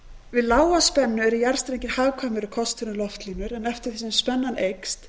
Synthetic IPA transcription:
vɪðlaːwaspɛnːʏɛɾɪjaɾ̥st̪ɾeɲcɪɾ̥haːwkʰamɪɾʏkʰɔst̪ʏnʏlɔft̪linʏɾɛnɛft̪ɪɾ̥θisɪmspɛnːanejkst̪

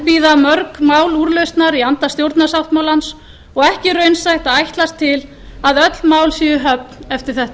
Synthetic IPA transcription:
piːðamœɾkmaːwluːɾlœɥst̪naɾiant̪ast̪jowɾt̪nasawht̪mawlans | ɔɣɛhcɪrœɥnsajht̪aðajht̪last̪ʰːɪl | aðœt̪lmaːwlsiːʏɦœp̚nɛft̪ɪɾ̥θɛht̪a

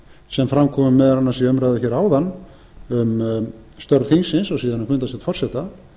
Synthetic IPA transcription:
sɛmfɾamkʰɔːmʏmːɛðɾanːasiœmɾajðʏçɛɾaːwðanː | ʏm | st̪œɾðθinsɪnsawsiːðanːakʰvʏnt̪asɛt̪fɔr̥sɛt̪a

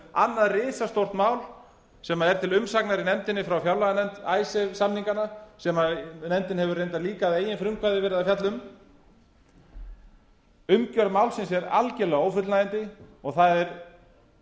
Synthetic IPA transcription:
a̰nːaðrɪːsast̪owr̥t̪maːwl | sɛmaɛɾt̪ʰɪlʏmsaknaɾinɛmt̪ɪnːɪfɾawfjawlaɣanɛnt̪aːjsɛsamniŋkanasɛmanɛmt̪ɪnhɦɛvʏɾrejnt̪̬aðliːkaðeːjɪnfɾʏŋkʰvajðɪvɛːɾɪðafjat̪lʏm | ʏmcœɾmaːwlsɛnsɛɾa̰lcɛlɛɣaoːwfʏt̪lnajɪnt̪ɪɔɣθaðɛɾ

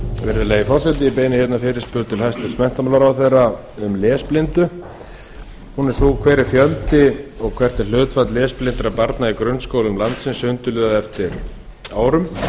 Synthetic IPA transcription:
vɛɾðʏleːjɪfɔr̥sɛt̪̬ɪipeːjnɪçɛt̪nafɪːɾɪ̥spʏðt̪ʰɪlhajst̪ʏ̥smɛn̥t̪amaːlaɾaːwθejrːa | ʏmlɛːsplɪnt̪ʏ | hunɛɾ̥soːɣkʰvɛːɾɪɾ̥fjœlt̪ɪɔɣkʰvɛr̥t̪ɛɾ̥l̥ʏːt̪fat̪lɛːsplɪnt̪ɾapaɾt̪naikɾʏnːskowlɪmlant̪sɪnsʏnt̪ʏlʏːðaðɛft̪ɪɾ | aːwɾʏm

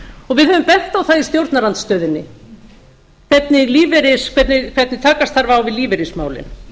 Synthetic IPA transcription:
ɔɣvɪðhœvʏmpɛht̪awθaðist̪jowɾt̪naɾant̪st̪œːðɪnːɪ | kʰvɛt̪nɪliːvɛɾɪskʰvɛt̪nɪkʰv̥ɛt̪nɪt̪ʰaːkast̪θaɾvawvɪðliːvɛɾɪsmaːwlɪ̰n

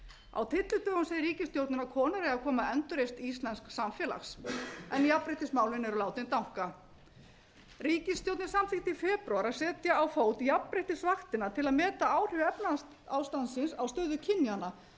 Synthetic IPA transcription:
a̰wt̪ʰɪt̪lʏt̪œːɣanseðɪɾriːcɪst̪jowt̪nʏnakʰɔːnaɾɛaðkʰɔːmaɛnt̪ʏɾejst̪ist̪lɛnsksamfjɛːla̰xsɛnijapːɾeht̪ɪsmaːwlɪnɛɾʏlaːwt̪ɪnt̪awŋ̥ka | riːcɪst̪jowt̪nɪ̥samθɪht̪ifɛːpɾawaɾaðsɛːt̪jaːwfoːwt̪ijapːɾejht̪ɪsvaxt̪ɪnat̪ʰɪlaðmɛːt̪aaːwr̥ʏvɛpnas | awst̪ant̪sɪnsawst̪œːðʏcʰɪnjana

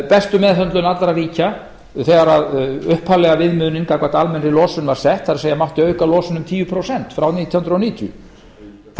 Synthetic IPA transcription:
pɛst̪ʏmɛːðθœnt̪lʏnat̪lɾaviːca | θɛːɣaɾaðʏhphalɛɣavɪðmʏːnɪnkakvat̪almɛnɾɪlɔːsʏnvaɾ̥sɛht̪θaɾseːjamawht̪ɪœːɥkalɔːsʏnʏmt̪ʰiːvʏpʰɾowsɛn̥t̪fɾawniːt̪ʰijhʏnd̪ɾoniːt̪ʰjʏ̰ | θ

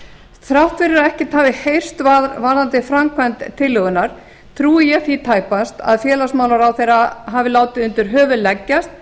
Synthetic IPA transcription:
θɾawht̪fɪɾɪɾaðɛhcɪt̪ʰaːvɪhejr̥st̪vavaːðant̪ɪfɾamkʰvɛnt̪t̪ʰːɪlːʏɣʏnaɾ̥ | t̪ʰɾuːɪjɛθit̪ʰaːjpast̪a̰ðfjɛːlasmaːwlaɾawθejɾaɦavɪlaːwt̪ɪʏnt̪ʏɾ̥ɦœːvʏlɛcːast̪̚

